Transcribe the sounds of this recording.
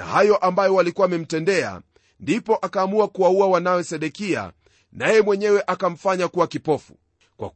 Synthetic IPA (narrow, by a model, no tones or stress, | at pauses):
a̰hajɔʔambajɔwalikuwamɛm̩tɛndɛa̰ | ndipɔʔakaːmuakuwauawanawɛsɛɗɛkia̰ | najɛmwɛɲɛwɛʔakam̩faɲakuwakipɔfu | kwa̰